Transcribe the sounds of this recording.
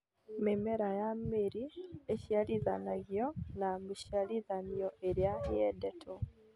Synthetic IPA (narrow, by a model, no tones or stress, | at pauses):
memeɾajameɾieʃjaliðanaɣjonamiʃialiðanioʔeɾjahjedetʰo